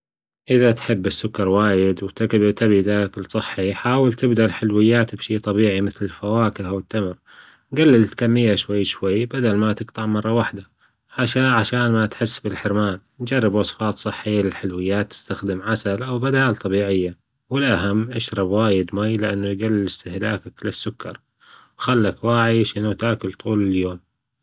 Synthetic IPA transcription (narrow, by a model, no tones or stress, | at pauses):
ʔɪðat̪ħɪbːɪsːʊkːɑɾˤwaːjɪd̪wt̪abt̪abid̪akɪlsˤɨħːiħaːwɪlt̪ɪbd̪alħɪlwɪjːaːt̪bʃiːt̪ˤɑbiːʕimɪθlɪlfawaːkɪhawɪt̪ːamɾ | ɡalːɪlt̪kamːɪjːaʃwajːʃwajːbad̪almat̪ɪɡt̪ˤɑʕmɑrˤːɑwaħd̪a | ʕaʃaʕaʃaːnmat̪ħɪsːbɪlħɪɾmaːn | d͡ʒɑrˤːɪbwɑsˤfɑːt̪ˤsˤɨħːɪjːalɪlħɪlwɪjːaːt̪ːɪ̥st̪axd̪ɪmʕasalʔawbad̪aːlt̪ˤɑbiːʕɪjːa | wɪlʔaɦamːʔaʃɾˤɑbwaːjɪd̪majlɪʔanːujɡalːɪlɪst̪ɪhla̰ːkaklɪsːʊkʰːɑ̰ɾˤ | wxalːakwaːʕiʃɪnut̪aːkʊlt̪ˤuːlɪljoːm